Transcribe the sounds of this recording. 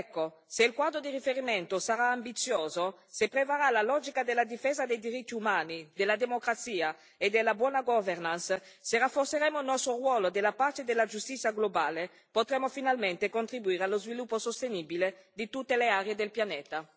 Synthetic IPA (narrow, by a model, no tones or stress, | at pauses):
ɛkːo | seilkwad̪ɾod̪iɾifeɾimɛnt̪osaɾaːmbit̪sjoːzo | sepːɾevaɾalalɔd͡ʒikad̪elːad̪ifeːzad̪ejd̪iɾit̪ːiumaːnid̪elːad̪emokɾat̪siːa | ed̪elːabwɔnaɡɔvernans | serafːorseɾɛmoilnɔst̪ɾorwɔːlod̪elapaɾt̪ed̪elːad͡ʒust̪it̪sːjaɡlobaːle | pot̪ɾɛmːofinalmɛnt̪ekont̪ɾibuiːɾealozvilupːosost̪enibiled̪it̪ut̪ːeleaɾeed̪elpjanɛːt̪a